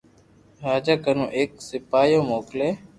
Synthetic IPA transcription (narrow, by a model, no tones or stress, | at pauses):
ɾaːd͡ʒaːkənõ̰ːʔeːksɪpaːjõːmoːkleː